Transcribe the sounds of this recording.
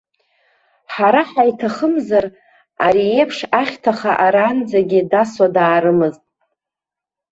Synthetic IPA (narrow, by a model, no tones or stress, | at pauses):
ħaɾaħajtʰaχəmzar | aɾiepʰʂaχʲtʰaχaʔaɾand͡zaɡʲɪdaswadaːɾɨmɨztʼ